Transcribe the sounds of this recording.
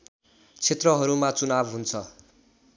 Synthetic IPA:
t͡sʰet̪rʌɦʌɾumat͡sunabɦunt͡sʰʌ

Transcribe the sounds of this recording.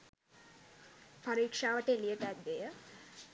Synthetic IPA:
paɾiːkʂaːʋəʈelijət̪ɛt̪̚b̪ejə

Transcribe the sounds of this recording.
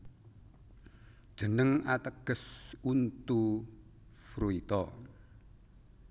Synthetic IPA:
ʒ̥ənəŋat̪əɡ̥ə̤sunt̪u | fɾuit̪ɔ

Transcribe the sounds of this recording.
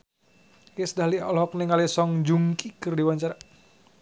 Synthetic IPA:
jesdaɦliɔlɦɔk̚neŋalisɔŋd͡ʒuŋkikɨrdiwaɲt͡ʃaɾa

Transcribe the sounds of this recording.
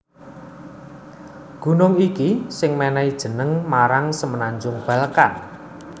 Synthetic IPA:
ɡ̥ṳnʊŋikisɪŋmenɛid̥ʒ̥ə̤nəŋmaɾaŋsəmənaɲd͡ʒʊŋb̥ä̤ləka̰n

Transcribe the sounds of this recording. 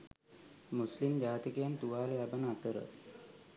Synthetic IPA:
muslimd͡ʒaːt̪ikejant̪uʋaːlʋæbənəat̪əɾə̰

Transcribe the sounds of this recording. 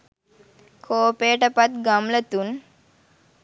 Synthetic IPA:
kʰoːpeʈəpat̪ɡamlət̪un

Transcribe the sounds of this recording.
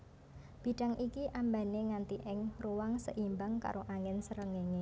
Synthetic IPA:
b̥i̤ɖ̥aŋʔikiʔamba̤neŋant̪iʔɪŋruwaŋsə̰ʔimbaŋka̰ɾʔoʔaŋɪnsəɾəŋeŋe

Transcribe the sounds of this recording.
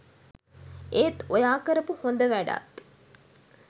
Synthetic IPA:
ʔet̪ojaːkəɾəpuhond̪əʋæɖa̰t̪

